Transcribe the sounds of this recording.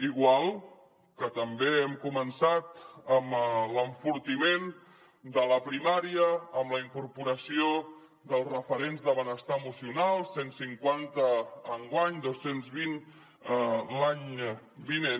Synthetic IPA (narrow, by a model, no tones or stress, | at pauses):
iɣwalˠ | kət̪əmbeɛmkumənsat̪əmləɱfuɾt̪imen | d̪ələpɾimaɾiəːmləiŋkuɾpuɾəsio | ðəlˠzrəfəɾenzðəβənəst̪aəmusiunalˠsːensiŋkwant̪əːŋɡwaɲd̪osenzβin | laɲbinen